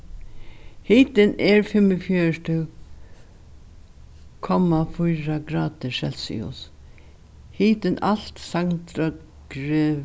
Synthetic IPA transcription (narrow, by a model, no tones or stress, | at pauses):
hiːt̪ɪnɛɹfɪməfjœːʂʈə | kʰɔmafʊjɾaɡɾaːd̪əʃɛlsɪ̰ʊ̰s | hiːt̪ɪnal̥t̪saŋt̪ɾa | ɡ̥ɾe